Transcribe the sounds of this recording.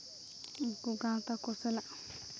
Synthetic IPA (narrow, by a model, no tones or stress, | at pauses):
kuɡãt̪akosəlaʔ